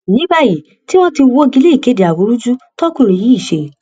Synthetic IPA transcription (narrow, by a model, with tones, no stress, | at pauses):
nĩ˨˦ba˧˨ji˨ | ti˦w̃ɔ̃˦ti˧wo˦ɡi˧le˦i˨ke˨˦di˨a˨wo˨˧˦ɾu˦d͡ʒu˦tɔ˦kũ˦˧ɾe˨ji˨˦i˦˨ʃe˧˨